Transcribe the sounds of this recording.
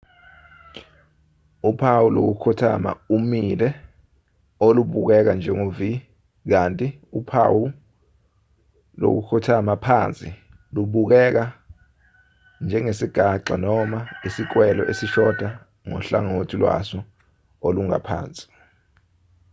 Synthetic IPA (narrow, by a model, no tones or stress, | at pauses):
upʰawulo̰k̬ukʰutʰa̰ma̰umilɛ | oluɓuk̬ɛk̬and͡ʒʱɛŋovi | k̬antʼiupʰawu | lo̰k̬ṵkʰutʰamapʰaːnt͡sʼi | luɓuk̬ɛk̬a | nd͡ʒʱɛŋesiɡ̥ʱaǁʱa̰nɔmaisik̬wɛlɔ̰ʔesiʃɔd̥ʱa | ŋɔ̰ɬa̰ŋotʰilwa̰sɔ | oluŋa̰pʰa̰ːnt͡sʼi̥